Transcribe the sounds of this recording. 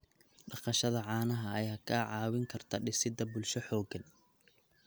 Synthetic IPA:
ɖɑqɑʃɐðɐʕɑːnɐɦɐɐjaːkʰaʕɑːwɪŋkʰɐrt̪ʰɐɖɪsɪd̪ɐbʊlʃɔħɔːɡɐn

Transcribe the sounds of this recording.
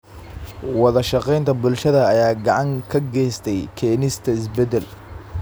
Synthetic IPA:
wɑðɐʃɑqɛjnt̪ʰɐbʊlʃɐðɐːjaːɡɑʕɑŋkʰɐɡɛːst̪ʰɛjkʰɛːnɪst̪ʰɐɪsbɛd̪ɛl

